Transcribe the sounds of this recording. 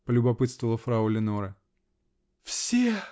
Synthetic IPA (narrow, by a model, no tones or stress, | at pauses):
pəlʲʊbɐpɨt̪st̪vəlˠəfɾaulʲɪnoɾə | fsʲe